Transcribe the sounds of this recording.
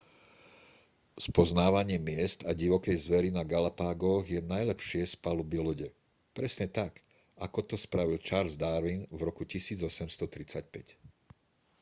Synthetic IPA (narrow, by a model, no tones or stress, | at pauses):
spɔznaːʋaɲɪɛmɪɛst̪aɟiʋɔkɛjzʋɛɾinaɡalapaːɡɔɣjɛnajlɛpʃɪɛspalubiluɟɛ | pɾɛsɲɛt̪ak | akɔt̪ɔspɾaʋilt͡ʃaːɾlzd̪aːɾʋinvɾɔkucisiːd͡zɔsɛmst̪ɔt̪ɾit͡sac̚pɛc